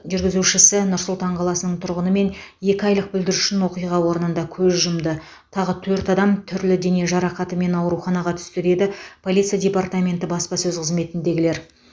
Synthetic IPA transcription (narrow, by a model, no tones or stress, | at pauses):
ʒʏɾɡʲɪzuʃɪsɪnʊɾsʊlˠt̪ɑɴqʰɑlˠɑsənəɴt̪ʰʊɾʁənəme̞nje̞kʲɪɑjlˠəq̚bɪld̪ɪɾʉʃɪnwo̞qijʁɑwo̞ɾənənd̪ɑkʲʰɵzʒʊmd̪ə | t̪ʰɑʁət̪ʰɵɾt̪ɑd̪ɑmt̪ʰʏɾlɪd̪e̞neʒɑɾɑqɑt̪əme̞nɑwɾuχɑnɑʁɑt̪ʰʏ̥st̪ɪɾe̞d̪ɪpʰolʲit̪sijad̪ʲe̞part̪amʲe̞nt̪ɪbɑspɑsɵzqʰəzme̞t̪ɪnd̪e̞ɡʲɪle̞ɾ